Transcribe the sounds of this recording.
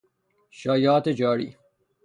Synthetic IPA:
ʃɒːjɒːt̪ed͡ʒɒːɾḭː

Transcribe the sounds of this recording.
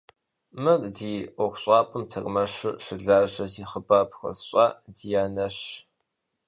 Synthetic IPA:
mɨrdiːɔkʷɕʼaːpʼɨmtʰɐkʼmɐɕɨʃɪɮaːʑɐziːχəbaːpʰxɐ̰sɕʼaːdiːjaːnɐɕ

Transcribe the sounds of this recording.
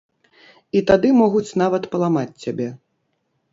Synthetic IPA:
it̪ad̪ɨmɔɣut͡sʲnavɐt̪pɐlˠamat͡sʲːabʲɛ

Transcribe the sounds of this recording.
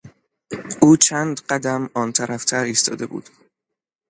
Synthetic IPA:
ʔuːt͡ʃʰæːnd̪ɢæd̪æmɒːnt̪ʰæɾæft̪ʰæɾiːst̪ʰɒ̰ːd̪e̞bṵːd̪̥

